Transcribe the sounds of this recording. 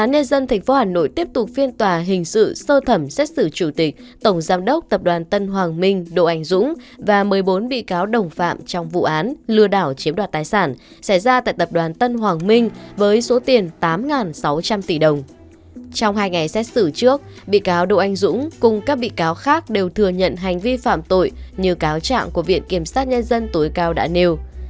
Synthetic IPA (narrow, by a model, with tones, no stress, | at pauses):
ʔaː˨˦nɲə˧nzə˧nt̪ʰɛ˨˩ŋ̟fo˨˦haː˨˩no̰˧˨jt̪i˦˥əp̚t̪ʊ˨˩k͡p̚fi˧ənt̪waː˨˩ɦï˨˩ŋ̟sɨ̰˧˨səː˧t̪ʰə˧˩msɛ˦˥t̚sɨ˧˩t͡ɕu˧˩t̪ï˨˩k̟̚t̪ə˧˩wŋ͡mzaː˨˧mɗə˦˥k͡p̚t̪ə˨˩p̚ɗwaː˨˩nt̪ə˧nɦwaː˨˩ŋmï˧ŋ̟ɗo̰˧˨ʔa˨˧˩jŋ̟zʊ̰˧˥ŋ͡mvaː˨˩mɨ˨˩əjɓo˨˦nɓḭ˧˨kaː˨˦wɗə˨˩wŋ͡mfa̰ː˧˨mt͡ɕɔ˧wŋ͡mvṵ˧˨ʔaː˨˦nlɨ˧əɗaː˧˩wt͡ɕi˨˦ənɗwaː˨˩t̪aː˨˩jsaː˧˩n | sa˧˩jzaː˧t̪a̰ː˧˨jt̪ə˨˩p̚ɗwaː˨˩nt̪ə˧nɦwaː˨˩ŋmï˧ŋ̟vəː˨˦jso˨˦t̪i˨˩ənt̪aː˨˦mŋaː˨˩nsa˨˦wt͡ɕa˧mt̪i˧˩ɗə˨˩wŋ͡m | t͡ɕɔ˧wŋ͡mɦaː˧jŋa˨˩jsɛ˦˥t̚sɨ˧˩t͡ɕɨ˦˥ək̚ | ɓḭ˧˨kaː˨˦wɗo̰˧˨ʔa˨˧jŋ̟zʊ̰˧˥ŋ͡mkʊ˨˩ŋ͡mkaː˦˥k̚ɓḭ˧˨kaː˨˦wxaː˦˥k̚ɗe˨˩wt̪ʰɨ˨˩əɲə̰˧˨nɦa˨˩jŋ̟vi˧fa̰ː˧˨mt̪o̰˧˨jɲɨ˧kaː˨˦wt͡ɕa̰ː˧˨ŋku˧˩əvḭ˧˨ənki˧˩əmsaː˦˥t̚ɲə˧nzə˧nt̪o˨˦jkaː˧wɗa̰ː˧˥ne˧w